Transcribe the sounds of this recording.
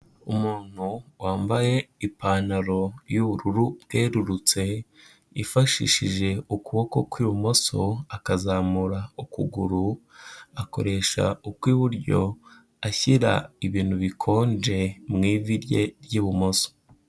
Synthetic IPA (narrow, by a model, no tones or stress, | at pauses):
umuːn̥huwaːmbaje̞ipaːnaɾo̞juːβuɾuɾubɡeːɾuɾut͡se̞ | ifaʃḭʃiʒe̞ukuβo̞ko̞kwiːβumo̞so̞akazaːmuɾaukṵɡuɾu | ako̞̰ɾe̞ʃa̰ukwiːβuɾɟo̞ | açiɾa̰iβiːn̥huβikʰo̞ːnd͡ʒe̞mŋiːviɾje̞̰ɾjuːβumo̞so̥